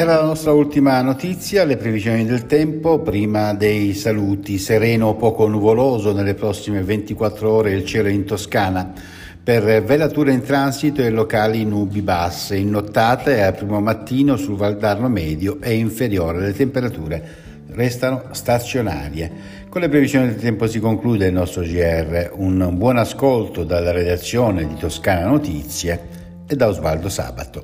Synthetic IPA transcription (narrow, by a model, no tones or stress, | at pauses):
ɛɾalanɔst̪ɾault̪imanot̪it̪sːjalepɾevizjoːnid̪elt̪ɛmpopɾiːmad̪ejsaluːt̪iseɾɛːnopɔːkonuvoloːzonelːepɾɔsːimevent̪ikwat̪ːɾoɔːɾeilt͡ʃɛːloint̪oskaːna | pervelat̪uːɾeint̪ɾansit̪oelːokaːlinubibasːeinːot̪ːaːt̪eapɾiːmomat̪ːiːnosulvald̪arnomɛːd̪joʔeiɱfeɾjoːɾelet̪empeɾat̪uːɾe | rɛst̪anost̪at̪sjona̰ːɾje | konlepɾevizjoːnid̪elt̪ɛmposikoŋkluːd̪eilnɔst̪ɾod͡ʒiɛrːeunbwɔnaskolt̪od̪alːaɾed̪at̪sːjoːned̪it̪oskaːnanot̪it̪sːjeː | d̪ːaozva̰ld̪osa̰ːba̰t̪o